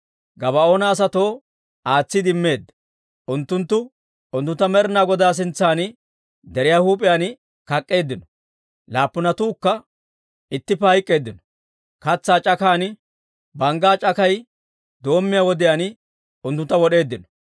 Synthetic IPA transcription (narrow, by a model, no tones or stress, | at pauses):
ɡɐβɐo̞ːnɐːs̬ɐt̪o̞ː | aːt͡sːɪd̪ɪmːe̞ːd̪ːɐ | ʔʊnt̪ːʊnt̪ːʊ | ʊnt̪ːʊnt̪ːɐmɛɾɪnaːɡɔd̪aːs̬ɪnt͡sːaːnɪ | d̪ɛɾɪjaːhuːpʼɪjaːn | kɐkʼːe̞ːd̪ːɪnɔ̥ | laːpːʊnɐt̪uːkːɐ | ɪt̪ːɪpːɛhɐjkʼːe̞ːd̪ːɪnɔ̥ | kɐt͡sːaːt͡ʃʼɐkaːnɪ | bɐŋɡaːt͡ʃʼɐkɐj | d̪o̞ːmːɪjaːwɔd̪ɪjaːn | ʊnt̪ːʊnt̪ːɐwɔɗe̞ːd̪ːɪnɔ̥